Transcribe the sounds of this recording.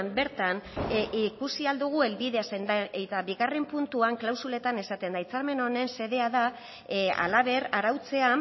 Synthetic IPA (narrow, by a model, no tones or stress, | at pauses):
mbe̞ɾt̪anʔikusiald̪uɣ̞ue̞lβiðe̞asend̪aet̪aβiɣare̞mpunt̪uaŋklawsule̞t̪ane̞sat̪e̞nd̪ajt͡saɾme̞no̞ne̞nse̞ðe̞aða | a̰laβ̞e̞ɾaɾawt͡se̞a